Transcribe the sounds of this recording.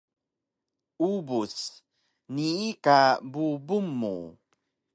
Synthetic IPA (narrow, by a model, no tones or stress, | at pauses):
ubus | niikabubumːṵ